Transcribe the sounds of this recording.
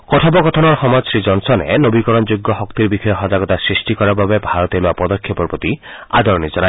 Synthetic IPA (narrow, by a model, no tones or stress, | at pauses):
kɔtʰabɔkɔt̪ʰɔnɔɾxɔmɔd͡ʒɔsɾid͡ʒɔnsɔnḛnobikɔɾɔnd͡ʒuɡːɔɦɔkt̪iɾbikʰɔjɔɦɔd͡ʒaɡɔt̪asɹisʈikɔɾababebʱaɾɔt̪eloapɔd̪ɔkʰːɔpɔɾpɔt̪ia̰d̪ʱɔɾɔnid͡ʒɔna